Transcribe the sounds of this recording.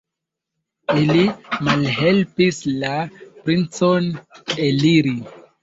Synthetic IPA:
ilimalɦe̞lpislapɾint͡soneliɾi

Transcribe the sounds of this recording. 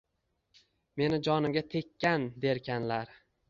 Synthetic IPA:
me̞nɪd͡ʒɒnɪmɡʲat̪ʰe̞kʲːand̪e̞ɾkʲʰanlaɾ

